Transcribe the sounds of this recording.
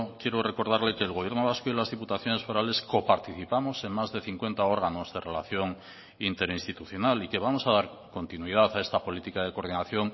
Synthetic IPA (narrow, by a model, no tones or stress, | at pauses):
kjeɾore̞ko̞ɾðaɾle̞keːlɣoβje̞ɾnoβ̞askoilazðiput̪aθjonesfoɾale̞skopaɾt̪iθipamo̞se̞ŋmazðe̞θiŋkwe̞nt̪ao̞ɾɣano̞zðerela̰θjo̞ŋ | int̪e̞ɾinst̪it̪uθjo̞nalike̞βamo̞saðaɾ | ko̞nt̪inwið̞aθae̞st̪apo̞lit̪ikað̞eko̞ɾð̞inaθjo̞ŋ